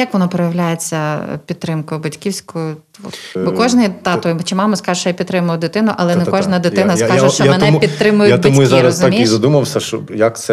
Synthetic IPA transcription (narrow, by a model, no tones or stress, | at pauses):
jɐkʋɔnapɾɐjɐʋlʲajet͡sʲːɐpʲid̪̚t̪ɾɪmkʊjʊbɐtʲkʲiwsʲkʊjʊ | ɔ̰bɔkɔʒnɪjt̪ɑt̪ɔjt͡ʃɪmɑmɐskɑʒɛʃt͡ʃɔjapʲid̪t̪ːɾɪmʊlɐd̪ɪt̪ɪnʊʔɐlˠɛnɛkɔʒnɐd̪ɪt̪ɪnɐskkɑʒɛʃt͡ʃɔmɛnɛmpʲid̪t̪ːɾɪmʊjʊb̪ɐmʲuzɾɐɾɔszʊamiizɐd̪umɐwsʲɐʃt͡ʃɔjɐkt̪sɛ